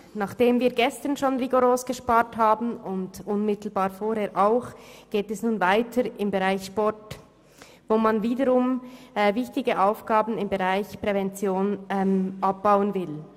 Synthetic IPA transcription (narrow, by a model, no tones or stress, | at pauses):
naːχd̥eːmviːɡɛstənʃoːnʁiɡoɾoːsɡ̥əʃpaːɾthaːbn̩ʊndʔʊnmɪtl̩baːɾfoːɾheːɾʔaʊxɡ̥eːtɛsnuːnvaɪtʰəɾɪmbəʁaɪçʃpɔɾt | voːmanviːdəɾʊmːvɪçtɪɡəʔaʊfɡ̥aːbn̩ɪmbəʁaɪçpʁ̥ɛvɛnt͡sjoːnɛmʔap̚b̥aʊənvɪl